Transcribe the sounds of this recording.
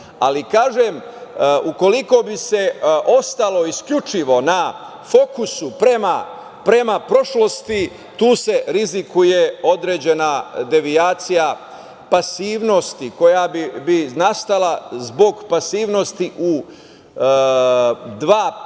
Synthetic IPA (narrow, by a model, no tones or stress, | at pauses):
a̰likaːʒem | uko̞liko̞bise̞ʔo̞st̪alo̞iskʎut͡ʃiʋo̞na | fo̞kusupɾema | pɾe̞mapɾo̞ʃlo̞st̪i | t̪uːse̞ɾizikuje̞o̞d̪ɾeːd͡ʑe̞nad̪e̞ʋiaːt̪sija | pasiːʋno̞st̪iko̞jabibinast̪alazbo̞ɡpasiːʋno̞st̪iʔu | d̪ʋaː